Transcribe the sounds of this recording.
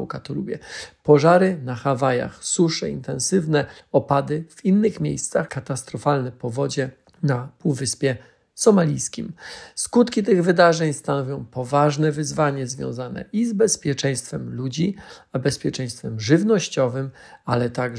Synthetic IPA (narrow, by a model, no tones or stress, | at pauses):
ukat̪ɔlubʲjɛ̰pɔʐaɾɘnaxavaja̰xsuʂɛḭnt̪ɛ̃ñsɘvnɛɔpad̪ɘv̥inːɘxmʲjḛjst̪saxkat̪ast̪ɾɔfalnɛpɔvɔd͡ʑɛ | napuwvɘspʲjɛ | sɔmalʲijskʲimskut̪kʲit̪ɘɣvɘd̪aʐɛɲst̪anɔvʲjɔ̃w̃pɔvaʐnɛvɘzvaɲɛzvʲjɔ̰w̃zanɛ̰ʔizbɛspʲjɛt͡ʂɛj̃st̪fɛmlud͡ʑiabɛspʲjɛt͡ʂɛ̃j̃st̪fɛmʐɘvnɔɕt͡ɕɔvɘmalɛt̪aɡ